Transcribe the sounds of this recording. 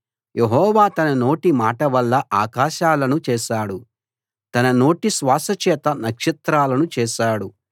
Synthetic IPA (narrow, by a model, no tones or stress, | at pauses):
jʔeɦɔːʋaːt̪ɐnɐno̞ːʈimaːʈɐʋɐlːɐʔaːkaːʃaːlɐnut͡ʃɛːʃaːɽu | t̪ɐnɐno̞ːʈisʋaːsɐt͡ʃɛːt̪ɐnɐkʂit̪ɾaːlɐnut͡ʃɛːʃaːɽu